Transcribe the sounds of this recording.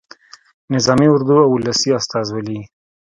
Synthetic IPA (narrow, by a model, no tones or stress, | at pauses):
nɪzɑmiʊɾd̪uawʊlasiast̪ɑzwalii